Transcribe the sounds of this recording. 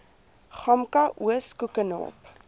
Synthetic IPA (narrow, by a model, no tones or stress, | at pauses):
χɐmkɐʔuəskukənɑ̰ːp